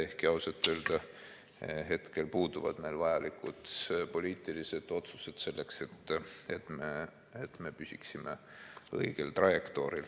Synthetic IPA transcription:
e̞hkiɑwset̪ːˑøːld̪̥ɑ | ɦe̞t̪ke̞lpuːd̪̥uvɑ̰d̪̥ne̞jlvɑjɑlikut̪po̞liːt̪ˑilise̞d̪̥o̞t̪su̥se̞d̪̥se̞lːe̞kse̞t̪ˑːet̪meː | t̪me̞pysʲiksimḛ | ɤiɡ̥e̞lt̪rɑjekt̪o̞ːɾil

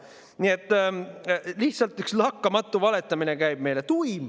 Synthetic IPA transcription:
nie̞t̪ːˑ | liht̪sɑlt̪ykslɑkːɑmɑt̪ːˑuvɑle̞t̪ːˑɑmine̞kæjb̥̚me̞jle̞t̪ujm

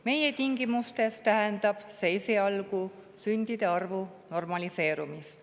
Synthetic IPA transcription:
me̞jet̪iŋɡ̥imust̪e̞st̪æɦend̪̥ɑb̥sesiɑlɡu | synʲd̪̥id̪̥e̞ɑrvuno̞rmɑlise̞ːɾumist̪

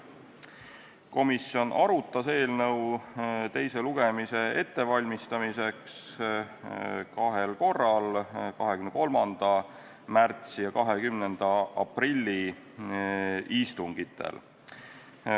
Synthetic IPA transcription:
ko̞misjo̞nʔɑɾut̪ːˑɑse̞ːlnɤwt̪e̞jse̞luɡ̥e̞mise̞e̞t̪ːe̞vɑlʲmist̪ɑmise̞ks | kɑɦelko̞rːɑlkɑɦekymnko̞lmɑnd̪̥ɑ | mært̪sijɑkɑɦekymnend̪̥ɑʔɑpɾilʲːi | ʔist̪uŋɡ̥it̪ʰːḛl

